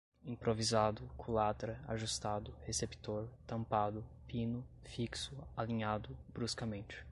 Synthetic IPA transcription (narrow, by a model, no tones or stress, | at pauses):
ĩpɾovizad̪ʊkʰũlat̪ɾɐa̰ʒust̪ad̪ʊhesept̪oɾt̪ɐ̃mpad̪ʊpĩnʊ | fiksʊalĩɲad̪ʊbɾuskɐmẽnt͡ʃɪ̥